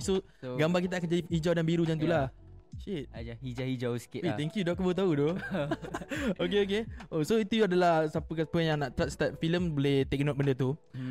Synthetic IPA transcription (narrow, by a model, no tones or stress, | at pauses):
so | ɡambarkit̪̬aːkand͡ʒadihid͡ʒawdanbiɾud͡ʒant̪ula | ʃit̚d͡ʒahid͡ʒahid͡ʒawsi̥kɪet̪ɛŋkjudɔʔkəbəwt̪audo | ok̬eok̬eʔosoit̪uadalahsapəkapəjaŋnaʔt̪ɾast̪at̪̚filəmboleht̪ɛk̚nɔt̪̚bəndət̪̬u